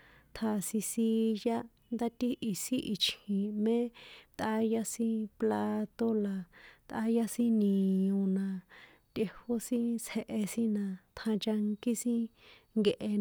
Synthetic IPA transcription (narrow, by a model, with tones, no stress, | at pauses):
t̪ʰa˧sĩ˧si˦˧ja˦ | nd̪a˦t̪i˦ʔi˨si˦ʔi˧˨t͡ʃhĩ˨mẽ˦t̪ʔa˦ja˦sĩ˦pla˧t̪o˦la˨t̪ʔa̰˦ja˦sĩ˦nĩ˨õ˧nã˧ | t̪ʲe˧ho˦sĩ˦t͡she˧ʔe˧sĩ˦nã˧t̪ʰã˧t͡ʃa˧ŋki˦sĩ˦ | ŋɡe˧ʔe˧